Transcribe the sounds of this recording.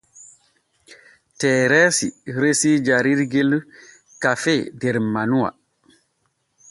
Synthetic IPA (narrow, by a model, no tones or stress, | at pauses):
tɛːɾɛsiɾesid͡ʒaɾiɾɡel | kafɛdɛɾmanuwa̰